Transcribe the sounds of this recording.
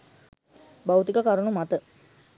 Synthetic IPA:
bawt̪ikakaɾuɳumat̪ə

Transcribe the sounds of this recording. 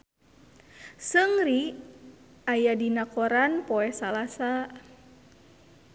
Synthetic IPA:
səŋɾi | ajadinakɔɾanpɔɛsalasa

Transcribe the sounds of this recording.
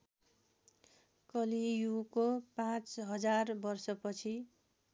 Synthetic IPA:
kʌlijukopãt͡sɦʌd͡zarbʌrsʌpʌt͡sʰi

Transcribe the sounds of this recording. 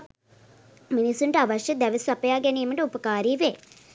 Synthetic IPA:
minisuɳɖɐʋɐʃjɐd̪ɐʋɐsʋɐpɐjaːɡɛnijɐmɐɳɖəupɐkaːɾiːʋeː

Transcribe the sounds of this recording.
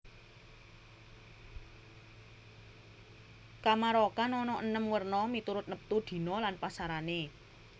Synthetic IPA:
kamaɾɔkanɔnɔʔənəmwərnɔmit̪uɾʊt̪̚nəp̚t̪ud̪̥i̤nɔlanpasaɾane

